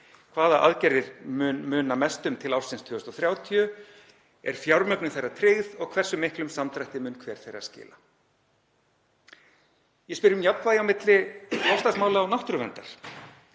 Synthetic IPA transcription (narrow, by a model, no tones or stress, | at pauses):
kʰvaːðaʔa̰ðcɛɾɪɾmʏnmʏːnamɛst̪ʏmt̪ʰɪlawrsɪnst̪ʰʏːʏst̪ɔθɾjaːwt̪ʰiʏ | ɛ̰ɾ̥fjawɾmœknʏθejrːat̪ʰɾɪɣðɔɣkʰvɛr̥sʏmːɪhklʏmsamt̪ʰɾajht̪ɪmʏːnkʰvɛːɾ̥θejra̰̥scɪ̰ːla | jɛspɪɾɪʏmjap̪vaːjawmɪt̪lɪlɔwst̪asmaːwlaːwnawht̪ɾʏvɛnt̪aɾ̥